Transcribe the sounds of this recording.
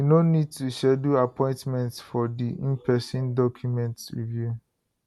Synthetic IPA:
winonid̚tuʃɛduapɔ̃ɪ̃ntmɛ̃ntsfɔdiĩmpʰɛsĩndɔkʰjumɛ̃ntɹḭvju

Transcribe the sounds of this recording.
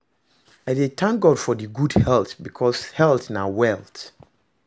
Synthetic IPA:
aɪdetʰãŋk̚ɡɔd̥fɔdiɡudhɛltbikʰɔshɛltnawɛlt

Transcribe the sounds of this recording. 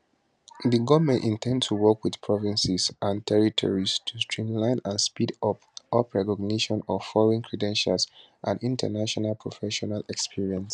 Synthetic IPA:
ðəɡɔvmɛ̃ntĩntʰɛ̃ndstuwɔkwið̥pʰɹɔvĩnsisʔãntʰɛɹitʰɔ̰ɹistʰustʰɹĩmlãɪ̃nãnspidɔpɔpɹɛkɔɡ̚neʃɔ̃nɔfɔloĩnkʰɹɛdɛ̃nʃals | ʔãndĩntʰə̰naʃɔnalˠpʰɹofɛʃɔnalɛkspʰiɹiɛ̃ns

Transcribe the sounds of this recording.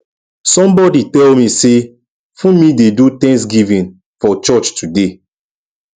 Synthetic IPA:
sɔ̃mbɔditɛlmise | fũmidedutɛ̃ŋks̬ɡivĩn | fɔt͡ʃɔt͡ʃtʰude

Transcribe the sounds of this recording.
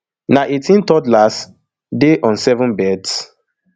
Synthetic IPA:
naʔetĩntɔdlas | deʔɔ̃nsɛvɔ̃nbɛds

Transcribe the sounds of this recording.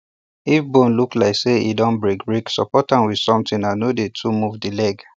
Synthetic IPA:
ifbõnluklaɪkseḭdɔ̃nbɹekɹiksɔ̰pɔtãnwid̥sɔ̃mtĩnãnodetʰumuvdilɛɡ

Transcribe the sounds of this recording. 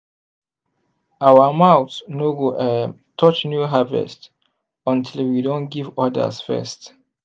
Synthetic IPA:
awəmawtnoɡoʔə | tʰɔt͡ʃnjuɦavɛ̰st | ɔ̃ntʰilwidõntɡivɔdə̰sfɛ̰st

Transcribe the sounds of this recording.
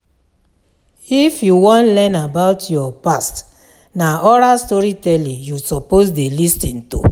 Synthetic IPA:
ifjuwɔ̃nlɛ̃nabaʊtjɔpast | naɔɾastɔɹitɛlĩjusɔposdelistĩnto̰

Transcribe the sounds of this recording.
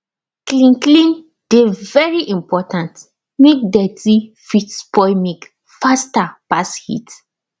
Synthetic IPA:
klĩnklĩn | d̥evɛɹiʔĩmpɔtãnt | mek̚dɛtifitspɔjmik | fastapashḭt

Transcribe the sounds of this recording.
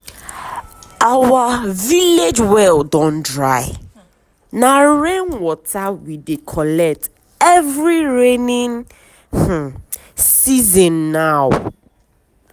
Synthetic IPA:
awaviled͡ʒwɛldɔ̃ndɹa̰ɪ | nãɹẽnwɔtʰawidekʰɔlɛk̚t | ɛvɹiɹenĩŋ | h̩ | sizɔ̃nːaw

